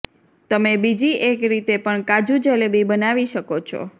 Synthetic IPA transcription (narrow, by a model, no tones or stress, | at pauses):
t̪əmebid͡ʒiʔekɾit̪epəɳkad͡ʒud͡ʒəlebibənaʋiʃəkot͡ʃʰo̰